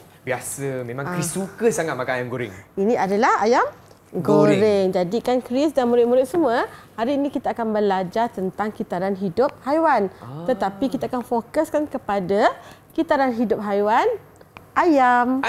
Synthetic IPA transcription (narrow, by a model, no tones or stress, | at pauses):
biasəmẽmãŋkɾisukəsaŋat̪̚makanajamɡoɾɪ̰ŋinĩʔadalahajam | ɡoɾɪŋd͡ʒadikankɾisdanmũɾɪt̪̚muɾɪt̪̚səmuəhaɾiːnĩkit̪aːkanbəlad͡ʒart̪ənt̪aŋkit̪aɾanɦidʊp̚hajwant̪ət̪apikit̪aakanfokəskankəpadakit̪aɾanɦidʊp̚ɦajwan | ʔajam